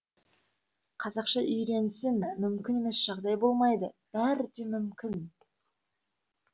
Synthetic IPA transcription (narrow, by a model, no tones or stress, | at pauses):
qʰɑzɑqʃɑʔʏjɾe̞nɪsɪnmʏmkʲɪne̞me̞sʒ̥ɑʁd̪ɑjbo̞lˠmɑjd̪əb̥æɾd̪e̞mʏmkʲɪn